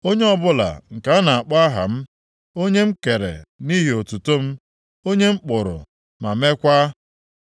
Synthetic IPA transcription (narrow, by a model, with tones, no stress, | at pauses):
o˦ɲe˦ɔ˦bʊ˦la̰˨ŋ̩˨ka˨˦na˨a˨k͡pa˦ɦa̰˨m̩˦ | o˦ɲe˦m̩˦ke˨ɾḛ˨ni˦ɦe˨o˨tu˨to˦m̩˦ | o˦ɲe˦m̩˦k͡pʊ˨ɾʊ̰˨ | ma˨me˦kʷa˦